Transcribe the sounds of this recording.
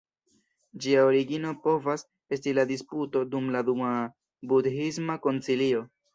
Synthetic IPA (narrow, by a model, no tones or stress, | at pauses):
d͡ʒiaoɾiɡino̞po̞vas | e̞stiladisputo̞dumladuma | budɦismako̞nt͡silio̞